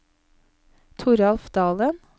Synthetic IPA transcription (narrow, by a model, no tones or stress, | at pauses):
t̪ʰʊɾɑlfd̪̥ɑːlən